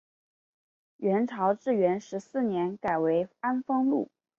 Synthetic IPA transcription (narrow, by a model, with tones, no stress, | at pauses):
ɥɛ˧˥nʈ͡ʂʰɑ˧˥ʊʈ͡ʂɻ̩˥˩ɥɛ˧˥nʂɻ̩˧˥sɹ̩˥˩njɛ˧˥nka˨˩ɪwe˧˥ɪa˥nfɤ˥ŋlṵ˥˩